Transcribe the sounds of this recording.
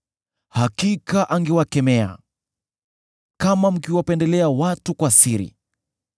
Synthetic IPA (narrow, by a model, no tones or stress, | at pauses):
hakikaʔaŋɡɛwakɛmɛa̰ | kamam̩kiwapɛndɛlɛawatukwasiɾḭ